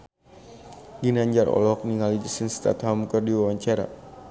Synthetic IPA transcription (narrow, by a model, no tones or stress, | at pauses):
ɡinaɲd͡ʒaɾɔ̰lɔk̚niŋalid͡ʒəsənst̪a̰t̪hamukərdiwawaɲt͡ʃaɾa̰